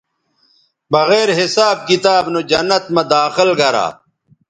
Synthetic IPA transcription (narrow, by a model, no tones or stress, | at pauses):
bɐɣeːɾɦisaːb̚kit̪aːbnod͡ʑɐnːɐt̪mɐd̪aːxɪlɡɐɾa̰ː